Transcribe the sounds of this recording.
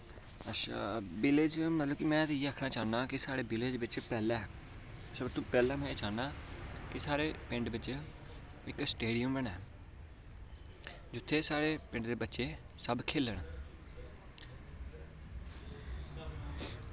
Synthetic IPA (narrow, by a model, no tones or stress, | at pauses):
əʃa̰ːbɪleːd͡ʒmət̪ləbkɪmɛ̃ːt̪ːiaːkʰnaːt͡ʃaːnaːkɪsaːɽeːbɪleːd͡ʒʋɪt͡ʃpɛːlɛ̃ː | səbt̪upɛːlɛ̃ːmɛ̃ːt͡ʃaːnaːkɪsaːɾeːpɪ̃ɳɖʋɪt͡ʃ | ɪksʈeːɖijəmʋəɳɛː | d͡ʒʊt̪ʰːeːsaːɾeːpɪ̃ɳɖd̪eːbətːʃeː | səbkʰeːləɳ